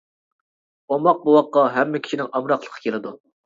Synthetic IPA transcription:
omɑq̚buwɑqːɑɦɛmːɪkʲʰi̥ʃinɪŋɑmɾɑqlˠə̥qʰːɑ̥kʲʰelɪd̪u

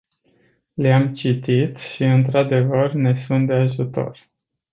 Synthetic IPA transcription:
leamt͡ʃit̪it̪ʃiɨnt̪ɾad̪e̞vərne̞sunt̪̚d̪e̞aʒut̪o̞̰r

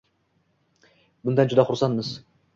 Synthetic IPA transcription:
bʊnd̪and͡ʒud̪ɑχʊɾsɑnmɨz

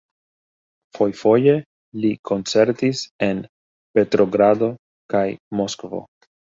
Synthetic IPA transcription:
fo̞jfo̞je̞ | likʰo̞nt͡se̞ɾtise̞n | pe̞tɾo̞ɡɾado̞ | kajmo̞skvo̞̰

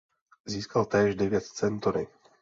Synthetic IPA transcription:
ziːskalt̪ɛːʒdɛvjɛt̪t͡sɛnt̪oɾɪ

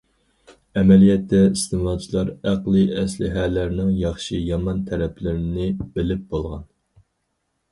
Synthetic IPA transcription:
ɛmɛlijɛt̪ʰːɛist̪ɨmɑːt͡ʃʰilˠɑɾæqlˠɨɛslɪ̰ɦɛlæɾnɪŋjɑχʃijɑmɑnt̪ʰɛɾɛplɪɾɪnɪbɪlɪp̚b̥olˠʁɑ̰n

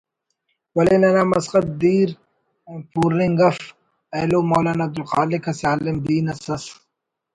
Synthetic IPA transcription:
wɐlenɐnaːmɐsqɐt̪̚d̪iːɾ | puːɾɪŋɡɐf | eːloːmoːlaːnɐːb̚d̪ulxaːlɪkʰɐsaːlɪmd̪iːnɐsɐs

